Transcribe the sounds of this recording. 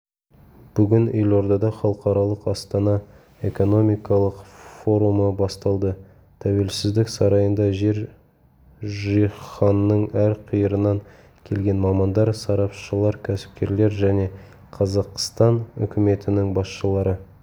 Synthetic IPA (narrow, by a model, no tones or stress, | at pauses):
b̥ʏɡʲɪnelo̞ɾd̪ɑd̪ɑχɑlˠəqɑɾɑlˠəqɑst̪ɑnɑ | e̞ko̞no̞mijkɑlˠəqfo̞ɾuməbɑst̪ɑlˠd̪ə | t̪ʰæwe̞lsɪzd̪ɪksɑɾɑjənd̪ɑʒe̞ɾ | ʒijχɑnːəɴæɾqʰijəɾənɑŋ | kʲʰe̞lɡʲe̞nmɑmɑnd̪ɑɾsɑɾɑpʃəlˠɑɾkʲʰæsɪ̥p̚kʲe̞ɾle̞ɾʒæne̞ | qʰɑzɑqst̪ɑnʏ̰kʲɪme̞t̪ɪnɪŋbɑsʃəlˠɑɾə